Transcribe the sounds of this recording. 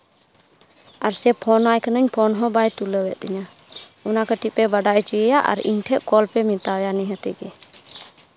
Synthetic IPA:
aɾsɛpʰɔnajkʰənəɲpʰɔnɦɔ̃bajt̪uləwɛʔ̪̚ɛɲa | ɔnakəʈiʔ̚pɛbaɖaʔɛt͡ʃijəjaʔa̰ɾḭɲʈʰɛʔkɔlpɛmit̪ajaniɦət̪ɛɡɛ

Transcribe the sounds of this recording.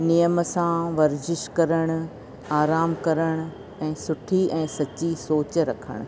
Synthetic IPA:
nijəmsãʋɐɾd͡ʑɪʃkɐɾəɽ̃ʊ̆ | aːɾaːmkɐɾəɽ̃ʊ̆ | ɛ̃ːsʊʈʰiɛ̃ːsɐt͡ɕisoːt͡ɕɾɐkʰə̰ɽ̃ʊ̆

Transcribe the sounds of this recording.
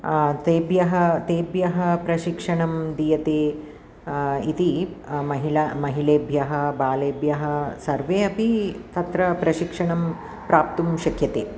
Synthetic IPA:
t̪eːbjɐɦɐt̪eːbjɐɦɐpɾɐʃikʂɐɳɐmd̪ijɐt̪eː | it̪imɐɦilamɐɦileːbʱjɐɦɐ̆baːleːbʱjɐɦɐ̆sɐɾʋeːɐpit̪ɐt̪ɾɐpɾɐʃikʂɐɳɐm | pɾaːp̚t̪umʃɐkʰjɐt̪eː

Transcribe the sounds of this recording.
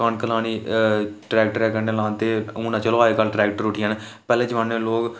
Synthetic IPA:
aːnkəlaːniːʈɾɛːk̚ʈɾɛːkəɾneːlãːnt̪eːũːnãːt͡ʃəlʋaːekəlʈɾɛːkʈəɾʊʈʰijaːnẽ | pɛːleːd͡ʒəʋãːnẽːloːk

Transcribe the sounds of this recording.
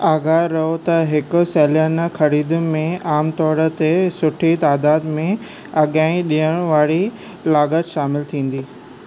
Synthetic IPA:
aːɡaːɾɐɦot̪ɐɦɪkʊ̆seːljənxɐɾiːd̪mẽaːmt̪ɔːɾə̆t̪esʊʈʰit̪aːd̪aːd̪mẽ | ɐɠãːĩɗiːəɽ̃ʋaːɽi | laːɡət̪ʃaːmɪlt̪ʰĩːn̆d̪iː

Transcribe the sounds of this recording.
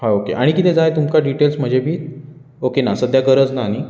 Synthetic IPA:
haokḛʔaɽ̃ikit̪ed͡zajt̪umkaɖiʈelsm̤əd͡ʑʱebʱiːt̪ | okenasəd̪jaɡəɾəd͡znani

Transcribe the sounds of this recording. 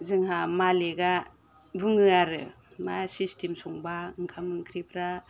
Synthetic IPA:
zɯŋhamaleɡa | bɯŋɯaɾɯ | masistʰimsɔŋbaɯŋkʰamɯŋkʰɾipʰɾa

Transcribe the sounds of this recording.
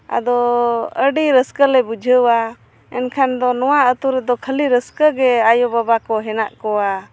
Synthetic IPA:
a̰d̪ɔəɖiɾəskəlɛbud͡ʒʱəwa | ɛnkʰand̪ɔnɔwaət̪uɾɛd̪ɔkʰəliɾəskəɡɛajɔbabakɔɦɛna̰ʔkɔa

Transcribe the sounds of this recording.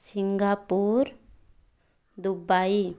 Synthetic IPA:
siŋɡapuɾ | d̪ubai

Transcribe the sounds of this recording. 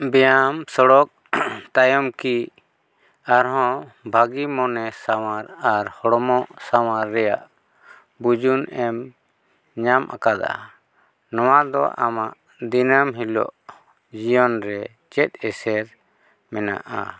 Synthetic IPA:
bɛjamsɔɽɔk̚ | t̪ajɔmki | aɾɦɔ̃bʱaɡimɔnɛsawaɾaɾhɔɽɔmɔʔsawaɾːɛjaʔ | bud͡ʒunɛm | ɲamʔa̰kad̪aa̰ | nɔwad̪ɔ̰ʔa̰maʔ | d̪inamɦilɔ̰ʔ | d͡ʒijɔnɾɛ | t͡ʃɛt̪̚ɛsɛɾ | mɛna̰ʔa̰

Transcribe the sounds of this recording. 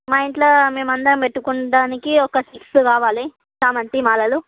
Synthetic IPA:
maːiɳʈloːme̞ːmɐnd̪ɐɾɐmpeʈːukuɳɐɖaːnikiɔkɐʈiksukaːʋaːli | saːmɐnt̪imaːlɐlu

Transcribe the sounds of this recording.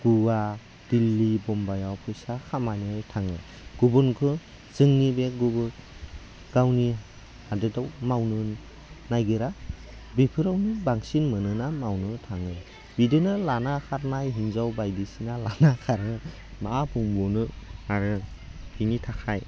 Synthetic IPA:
ɡ̥uwa | d̥ilːibɔmbajawpʰɯjsakʰamaniɯjtʰaŋɯ | ɡ̥ubɯnkʰɯ | z̥ɯŋnibeɡubɯ | ɡ̥awni | hadɯdawmawnɯnː | ajɡɯɾa | bipʰɯɾawnibaŋsinmɯnɯnamawnɯtʰaŋɯ | bidɯnalanakʰaɾnajɦiŋzawbajdisinalanakʰaɾɯ | maapʰuŋbɔnɯaɾɯ | hʰinitʰakʰaj

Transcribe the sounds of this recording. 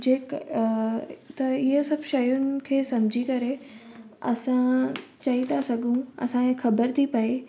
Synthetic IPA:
d͡ʑeːk | t̪ɐɪɦəsɐbʃɐjʊnɪ̆kʰeːsɐmd͡ʑʱikɐɾe | ɐ̰sãt͡ɕɐit̪ʰasɐɡʱũɐ̰sãexʰɐbəɾt̪ʰipɐe

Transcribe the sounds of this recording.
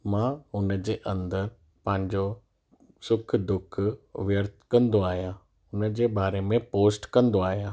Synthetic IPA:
mãːɦʊnəd͡ʑeːʔɐ̃nd̪əɾ | pɐ̃ːɪ̃ɲd͡ʑo | sʊkʰd̪ʊkʰʋjəɾt̪ʰkɐ̃nd̪oaːɦijãː | ʊnəd͡ʑeːbaːɾemẽpoːsʈkɐ̃nd̪oaːɦijãː

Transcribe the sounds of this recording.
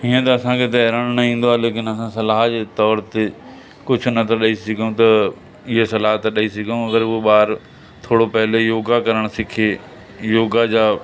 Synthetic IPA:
ɦiːə̃t̪ɐɐsãkʰet̪̬ɐɦɪɾaːɽ̃nɐĩːnd̪oaːleːkɪnɐsãsɐlaːɦd͡ʑeːt̪ɔːɾt̪e | kʊd͡ʑʱʊ̆nɐt̪ʰɐɗaisɪɡʱjũt̪ɐ | ɪɦesɐlaːɦt̪ɐɗɐisɪɡʱijũɐɡəɾʊoɓaːɾ | t̪ʰoːɽopɐɦɪlejoːɡakɐɾəɽ̃sɪkʰe | joːɡad͡ʑaː

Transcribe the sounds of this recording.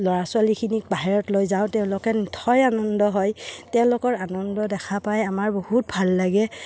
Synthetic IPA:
lɔɹasʊalikʰinik̚baɦiɹɔtlojzaʊ̃tɛʊ̃lʊkɛnitʰɔjanɔndɔɦɔjtɛʊ̃lʊkɔɹanɔndɔdɛkʰapajamaɹbohut̚bʱalːaɡɛ

